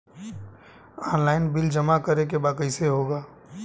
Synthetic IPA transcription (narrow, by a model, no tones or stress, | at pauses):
ɔːnlaːɪnbɪld͡ʒəmakəɾek̬ebaːkəɪseɦoːɡaː